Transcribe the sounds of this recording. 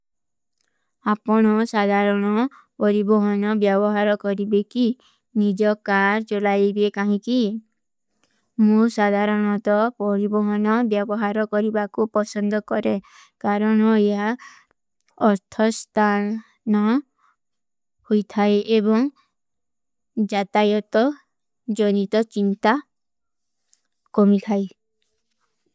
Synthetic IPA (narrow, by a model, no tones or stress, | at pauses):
apɔɽ̃ɔsad̪ʱaɾɔɽ̃ɔ | pɔɾibɔɦɔnɔbjɔbɔɦaɾɔkɔɾibeki | nid͡ʒɔkaɾt͡ʃolajbekaɦĩki | mũsad̪ʱaɾɔɽ̃ɔt̪ɔpɔɾibɔɦɔnɔbjɔbɔɦaɾɔkɔɾibakupɔsɔnd̪ɔkɔɾe | kaɾɔñɔeɦa | ɔɾt̪ʰɔst̪ʰan | nɔ | hojt̪ʰajʔebɔŋ | d͡ʒat̪ajɔt̪ɔ | d͡ʒɔnit̪ɔt͡ʃint̪a | kɔmit̪ʰaj